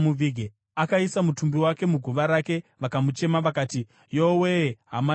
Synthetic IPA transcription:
muʋiɡʱe | akaisamutumbiwake̞muɡʱuʋaɾake̞ʋakamut͡ʃe̞maʋakaːti | joweɦa̰ma

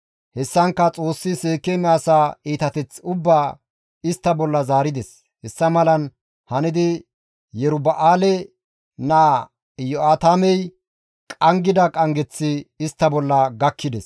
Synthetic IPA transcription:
hɛsːɐŋkːɐt͡sʼo̞ːsːɪseːkːɛmɪaːsaːiːt̪ɐt̪ɛt͡sʊbːaː | ɪst̪ːɐbɔlːɐzaːɾɪd̪ɛs | hɛsːɐmɐlɐn | hɐnɪd̪ɪ | jɛɾʊbɐʔaːlɛ | naː | jɔaːt̪aːmɛj | kʼɐŋɡɪd̪ɐkʼɐŋɡɛt͡sːɪːst̪ːɐbɔlːɐɡɐkːɪd̪ɛs

